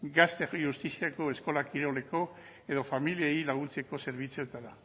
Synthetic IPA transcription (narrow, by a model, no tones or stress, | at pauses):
ɡast̪ejust̪isiako̞e̞sko̞lakiɾo̞le̞ko̞ | e̞ðo̞familieilaɣ̞unt͡se̞ko̞se̞ɾβ̞it͡suet̪aða